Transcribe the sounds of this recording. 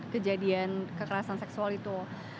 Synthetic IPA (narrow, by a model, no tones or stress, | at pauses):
kəd͡ʒadiankəkəɾasansɛksualit̪u